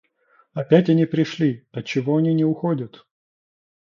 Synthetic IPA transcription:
ɐpʲætʲɐnʲipɾʲɪʂlʲiɐt͡ɕːɪvoɐnʲinʲɪʊxodʲət̪

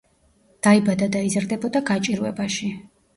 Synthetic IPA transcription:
d̪̥aibad̪ad̪aizɾd̪ɛbɔd̪aɡat͡ʃʼiɾwɛ̰baʃi

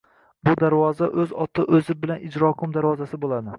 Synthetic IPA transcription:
bʊd̪aɾvɒzaʔɵzɒt̪ʰɪʔɵzɪbɪlanɪd͡ʒɾɒkʰʊmd̪aɾvɒzasɪbolˠad̪ɪ

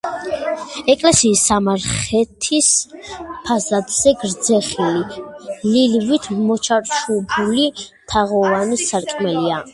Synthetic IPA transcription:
ɛkʼlɛsiːsːamaɾχɛt̪ʰis | pʰazad̪z̥ɛɡɾd̪zɛχilililvit̪ʰmɔt͡ʃʰaɾʃubuli | t̪ʰaʁɔvanisːaɾkʼmɛlia

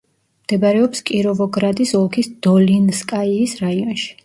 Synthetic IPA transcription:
md̪̥ɛbaɾɛɔpskʼiɾɔvɔɡɾad̪isɔlˠkʰisd̪̥ɔlinskʼaiːsɾaiɔnʃi̥

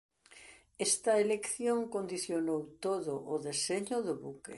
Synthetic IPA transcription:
est̪ɐelekθjoŋkond̪iθjonowt̪oðʊʔʊðeseɲʊðʊβukḛ

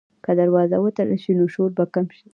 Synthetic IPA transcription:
kad̪aɾwɑzawət̪əɾəlʃinoʃoɾbakamʃi̥

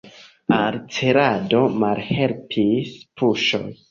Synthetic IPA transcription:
alt͡seɾado̞malhe̞lpʰispʰuʃo̞̰j

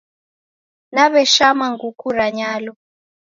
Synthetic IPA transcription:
naβɛʃamaŋɡukuɾaɲaːlɔ

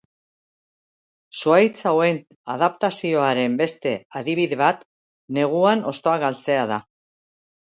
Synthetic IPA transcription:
suajt͡sawe̞n | aðap̚t̪asio̞aɾe̞mbe̞st̪e̞aðiβ̞iðe̞βat̪ | ne̞ɣ̞uano̞st̪o̞aɣalt͡se̞að̞a

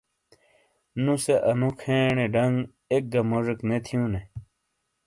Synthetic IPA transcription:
nũseʔɐnũkʰẽːɳeɖɐŋɡ | ek̚ɡɐmoʐeknet̪ʰijũne

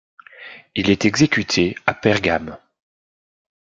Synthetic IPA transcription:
ilɛt̪ɛɡzekʲyt̪ʰeapɛʁɡam

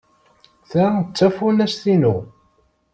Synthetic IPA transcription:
θæt͡sːæfunæsθinu

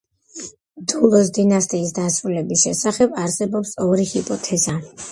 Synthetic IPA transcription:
d̪ulˠɔs̬d̪inast̪ʼiːsd̪asɾulɛbisʃɛsaχɛbaɾsɛbɔpsɔɾihipʼɔt̪ʰɛza

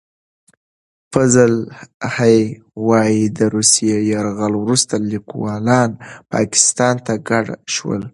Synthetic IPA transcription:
fazəlhaj | wɑjid̪əɾusijejaɾɣalwɾust̪alikwɑlɑnpɑ̰kɪ̥st̪ɑnt̪aɡaɽaʃwə̰l

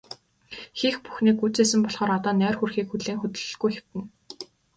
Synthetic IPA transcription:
xiːxpu̥xniːkut͡seːsɘ̆mpɔɮχɔːɾat̪ɔːnœːrxurxiːkxuɮeːŋxɵt̪ɘ̆ɮɡujxew̥t̪ɘ̆n

